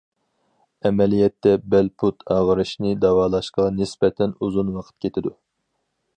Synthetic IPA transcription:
ɛmɛlijɛt̪ʰːɛbælpʰut̪ʰɑːʁəɾɨʃnɨd̪ɑwɑːlˠɑʃqɑnɪsbɛt̪ʰɛnuzunwɑqʰə̥t̪̚kʲʰet̪ʰɪd̪u

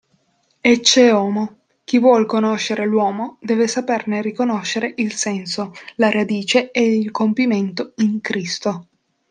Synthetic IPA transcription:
et͡ʃːeɔːmo | k̟ivwɔlkonoʃːeɾelwɔːmod̪ɛːvesapernerikonoʃːeɾeʔilsɛnsolaɾad̪iːt͡ʃeɛilkompiment̪oiŋkɾist̪o

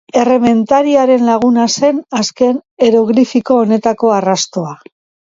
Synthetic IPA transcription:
e̞re̞me̞nt̪aɾiaɾe̞nlaɣ̞unase̞naske̞ne̞ɾoɣɾifiko̞ːne̞t̪ako̞arast̪o̞a

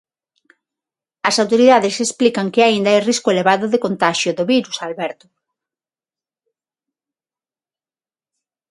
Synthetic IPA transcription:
ɐsawt̪oɾiðaðɪsesplikɐŋkɪaind̪aajriskʊeleβ̞aðʊðekont̪aʃjʊðʊβiɾusalβɛɾt̪ʊ

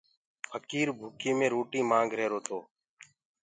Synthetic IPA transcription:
pʰəkiːɾbʱuːkiːmẽːɾoːʈiːmaːŋɡʱɾeːɾoːt̪ʰoː

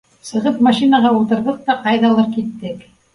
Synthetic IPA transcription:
sɤ̆ʁɤpmaʃinaʁɑulˠt̪ɤ̆ɾðɤq̚t̪ɑqɑjðɑlˠɤɾkit̪ːɘk

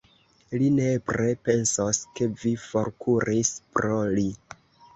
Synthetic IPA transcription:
line̞bɾe̞pe̞nsoske̞vifo̞ɾkʰuɾʔispɾo̞li

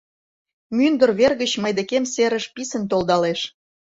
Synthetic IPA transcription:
mynd̪ə̆rβerɣət͡ɕməjd̪ĕkemseɾə̆ʃpisə̆nt̪old̪ɑleʃ

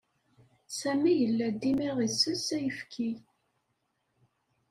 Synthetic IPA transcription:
sæmijəlːæd̪ːimiʁisəsæjəfkʰi

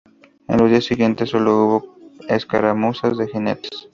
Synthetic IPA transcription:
ḛnlozd̪iasiɣje̞nt̪esːo̞louβoeskaɾamusazðe̞xinet̪e̥s

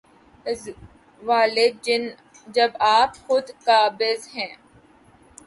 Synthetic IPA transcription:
ɪz | ʋaːlɪd̪̚d͡ʒɪn | d͡ʒɐbaːpxʊd̪kaːbɪzɦɛ̃ː

